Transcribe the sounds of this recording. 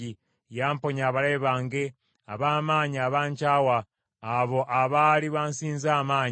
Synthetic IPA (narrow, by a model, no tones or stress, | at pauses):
i | jaːmpo̞ɲaːβaleːβaːŋɡe | aβaːmaːɲiaβaːɲcaːwaː | βo̞ʔaβaliβaːnsiːnzaːmaːɲ